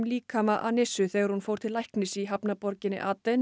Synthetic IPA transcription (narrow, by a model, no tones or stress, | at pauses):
mliːkʰamaʔa̰nɪsʏθɛːɣaɾhunfoːwɾ̥t̪ʰɪlːajhknɪsiɦapnapɔɾcɪnɪ̰ʔaːt̪ɛn